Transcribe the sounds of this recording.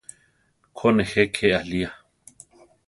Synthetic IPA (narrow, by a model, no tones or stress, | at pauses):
kʰonexekʰealia